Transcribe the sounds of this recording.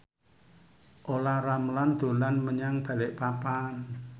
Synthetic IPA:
ʔolaramland̪̥o̤lanməɲaŋb̥ä̤lɪʔpapan

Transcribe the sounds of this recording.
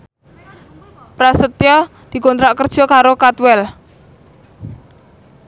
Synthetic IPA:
pɾasət̪jɔ | d̪̥i̤kɔnt̪ɾaʔkərd̥ʒ̥ɔ̤kaɾokat̪wɛl

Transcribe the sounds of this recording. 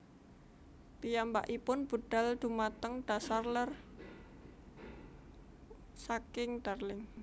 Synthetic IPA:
pijamba̰ʔipʊnb̥ṳɖ̥a̤ld̪̥umat̪əŋɖ̥a̤sarlər | sakɪŋd̪̥arlɪŋ

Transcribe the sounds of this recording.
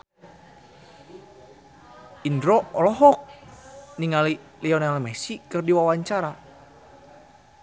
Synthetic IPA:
indɾɔɔlɔɦɔk̚niŋaliliɔnalmɛsikɨrdiwawaɲt͡ʃaɾa

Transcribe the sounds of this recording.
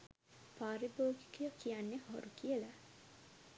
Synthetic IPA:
paːɾiboːɡi̥kəjokʰijanːeho̰ɾukiəla

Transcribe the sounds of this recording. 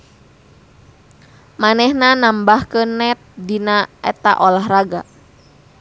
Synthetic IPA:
manɛhnanambahkənɛt̪̚dinaɛ̰t̪a̰ʔolaɦraɡa̰

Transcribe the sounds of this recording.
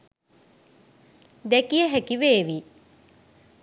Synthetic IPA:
d̪ɛkijəɦækiʋeːʋi

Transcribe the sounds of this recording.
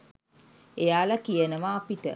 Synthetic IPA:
ejaːlɐkijənəʋaːpiʈə̰

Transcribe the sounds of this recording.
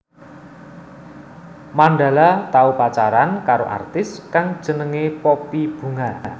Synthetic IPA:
manɖa̤lat̪aupat͡ʃaɾankaɾo̰ʔa̰rt̪ɪskaŋd̥ʒ̥ə̤nəŋepopib̥ṳŋan

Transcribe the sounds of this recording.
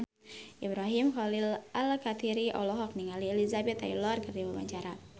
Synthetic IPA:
ʔibɾaɦimxɔlilalkat̪iɾiʔɔlɔɦɔk̚niŋaliɛlizabɛt̪a̰jlɔrkɨrdiwaba̰ɲt͡ʃaɾa

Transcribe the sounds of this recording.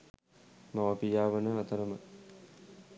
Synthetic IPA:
maʋəpijaːʋənəat̪əɾəmə

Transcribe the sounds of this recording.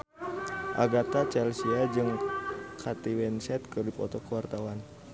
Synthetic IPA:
ʔa̰ɡat̪at͡ʃɛlsiad͡ʒɨŋkʰat̪iwɛnsɛt̪̚kɨrdipɔt̪ɔkəwart̪awan

